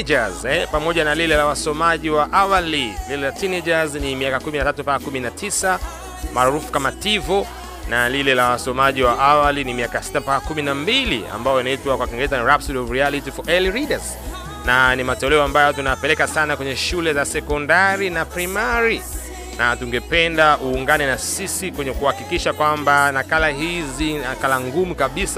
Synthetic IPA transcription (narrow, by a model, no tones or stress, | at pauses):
d͡ʒazɛpamɔʄanalilɛlawasɔmaʄiwaʔawalililɛlatinɛd͡ʒaznimiakakuminatatupakakuminatʰisa | maːɾufu̥kamativɔ | nalilɛlawasɔmaʄiwaʔawalinimiakasi̥tapakakuminambilḭa̰mbajɔjinaitwakwakiŋɡɛɛzaniɾapsidɔɾialitifɔʔɛlɾidaz | nanimatɛlɛɔambajɔtunapɛlɛkasanakwɛɲɛʃulɛzasɛkɔndaɾinapɾimaɾi | natuŋɡɛpɛndauːŋɡanɛnasisikwɛɲɛkuhakikiʃakwambanakalaɦizinakalaŋɡumukaɓisa